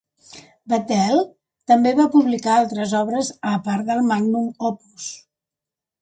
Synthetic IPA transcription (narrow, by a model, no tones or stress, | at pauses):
bət̪ɛlˠ | t̪əmbeβapuβlikaalˠt̪ɾəzɔβɾəzəpaɾðəlˠmaɡ̚numɔpus